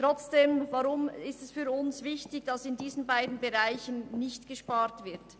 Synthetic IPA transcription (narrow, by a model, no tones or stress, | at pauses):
tʁ̥ɔt͡sd̥eːmvaʁʊmɪstɛsfyːɾʊnsvɪçtɪçd̥ɑsɪndiːzənbaɪdn̩beʁaɪçənnɪçtɡ̥əʃpaːɾtv̥ɪɾt